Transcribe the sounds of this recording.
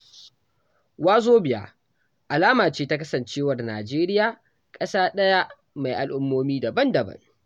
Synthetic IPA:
waː˦zoː˦bɪ˨ja̰˦ | ʔa˨laː˦maː˨t͡ʃeː˦ta˦kɐ˦sɐ˨nt͡ʃeː˦wɐ˨rnaː˨d͡ʒeː˦ɾɪ˦jaː˨ | kʼɐ˦saː˦ɗɐ˦ja˦ | ma˨jʔa˨lʔʊ˦mːoː˦miː˦dɐ˨bɐ˦ndɐ˨bɐ̰˦ŋ

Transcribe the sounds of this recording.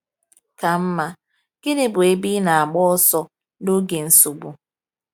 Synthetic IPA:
ka˨m̩˦ma˦ | ɡ̥ɪ˦dɪ˦bʊ˨e˦bi˦na˨a˨ɡ͡bɔ˦ɔ˦sɔ˦ | no˦ɡe˨n̩˦su˨ɡ͡bu˨

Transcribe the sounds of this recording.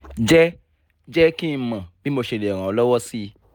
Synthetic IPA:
d͡ʒɛ˦ | d͡ʒɛ˦kĩ˦˧mã˨bi˨˦mo˧ʃe˧˨le˨ɔ˨ɾ̃ã˨ɔ˧lɔ˦wɔ˦si˦

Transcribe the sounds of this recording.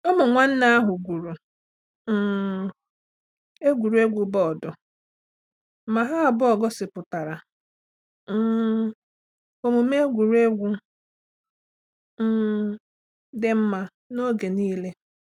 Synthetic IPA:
ɔ˦mʊ˨ŋʷa˦n̩˦na˦a˦ɦʊ˨ɡʷu˨ɾu˨˦˨ | e˦ɡʷu˨ɾu˨˦e˦ɡʷu˨bɔ˦ɔ˨dɔ˨˦ | ma˨ɦa˦a˨bʊ˦ɔ˨ɡɔ˦sɪ˨pʊ˨ta˨ɾa˨˦ | o˨mʊ˨m˦e˦ɡʷu˨ɾu˦e˦ɡʷu˦ | m̩˦ | dɪ˦m̩˦ma˦ | no˦ɡe˨niː˦le˦

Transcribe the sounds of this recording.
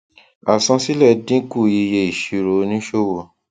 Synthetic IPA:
a˨sã˧si˦lɛ˦˨dĩ˦ku˦˨ji˧je˧˦i˨ʃi˨˧ɾo˨˦nĩ˦ʃo˦˨wo˨

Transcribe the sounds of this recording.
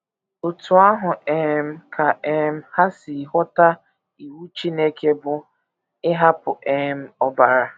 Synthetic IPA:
ʊ˨tu˨˦a˦ɦʊ˨e˨m̩˦kʰa˨e˨m̩˦ha˦si˨ɦɔ˦ta˦ | i˨wu˦t͡ʃi˦ne˦ke˦bʊ˦ | ɪ˦ɦa˦pʊ˨ʔe˨m̩˦ɔ˦ba˨ɾa˨

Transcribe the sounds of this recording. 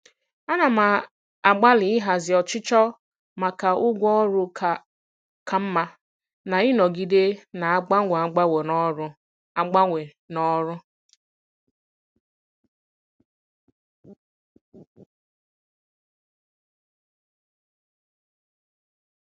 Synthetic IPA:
a˦na˨ma˨ | a˨ɡ͡ba˦lɪ˨ɪ˦ɦa˨zɪ˨ɔ˨t͡ʃɪ˦t͡ʃɔ˦ | ma˨ka˨ʊ˦ɡʷɔ˦ɾʊ˦˨ | kʰa˨m̩˦ma˦ | na˨ɪ˦nɔ˨ɡi˦de˦na˨a˦ɡ͡ba˦ŋʷe˨a˨˦ɡ͡ba˦we˨nɔ˦ɾʊ˦ | a˨ɡ͡ba˦ŋʷe˨ | nɔ˦ɾʊ˦

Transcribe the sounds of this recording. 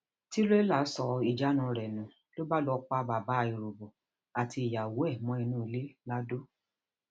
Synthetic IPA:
ti˦ɾe˦la˦˨˦sɔ˧i˨d͡ʒa˨˦nũ˧˦ɾɛ˨nũ˨ | lo˦ba˦lɔ˧k͡pa˧˦ba˨ba˨˦˧i˨ɾo˨bo˨ | a˨tʰi˧i˨ja˨wo˦ɛ˦˨mɔ̃˦i˧nũ˦i˧le˦la˦do˦

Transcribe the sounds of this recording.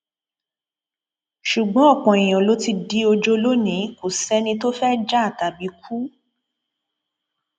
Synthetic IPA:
ʃu˨ɡ͡bɔ̃˨˦ɔ˦˨k͡pɔ̃˨i˨j̃ɔ̃˨lo˨˦ti˧di˦o˧d͡ʒo˧lo˦nĩ˨˦ko˨sɛ˦nĩ˧to˦fɛ˦d͡ʒa˦a˦˨ta˨bi˨˦kʰu˦

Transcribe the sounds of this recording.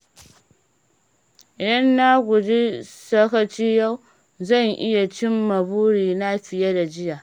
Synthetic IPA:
ɽɐ˦nːa˦ɡʷu˨d͡ʒi˦sɐ˦kɐ˦t͡ʃi˦ja˦w | zɐ˦˨ŋʔɪ̰˦ja˨t͡ʃɪ˦mːɐ˨buː˦ɾiː˨na˦ɸi˨ja˦da˨d͡ʒɪ˦ja˨

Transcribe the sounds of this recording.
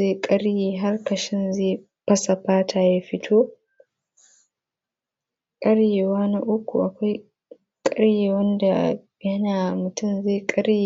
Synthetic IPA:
e˦˨kʼɐ˦ɽjeː˨ɦa˦rkɐ˨ʃɪ˦nze˦˨ | pɐ˦sa˨ɸaː˦tʰaː˦ja˦ɸɪ˦tʰoː˦ | kʼɐ˦ɽjeː˨waː˦na˦ʔʊ˦kʷṵ˨ʔa˨kʷa˦j | kʼɐ˦ɽjeː˨wɐ˦nda˨ | jɐ˦naː˨mʊ˨tʊ˦mze˦˨kʼɐ˦ɽje˨

